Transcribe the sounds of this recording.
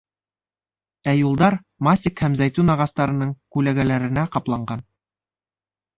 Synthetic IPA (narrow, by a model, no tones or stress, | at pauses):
æjulˠd̪ɑɾ | masʲɪkhæmzæjt̪unɑʁɑst̪ɑɾɤ̆nɤɴkʉlæɡælæɾɘ̆næqɑplˠɑɴɢɑn